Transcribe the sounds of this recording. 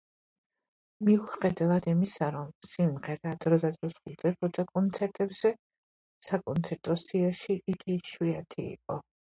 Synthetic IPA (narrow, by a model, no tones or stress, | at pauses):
miuχɛd̪avad̪imisaɾɔmsimʁɛɾad̪ɾɔd̪ad̪ɾɔsχulˠd̪ɛbʰɔd̪akʼɔnt̪sʰɛɾt̪ʼɛbz̥ɛ | sakʼɔnt̪sʰɛɾt̪ʼɔsiaʃiːɡʼiʃwiat̪ʰḭːqʼɔ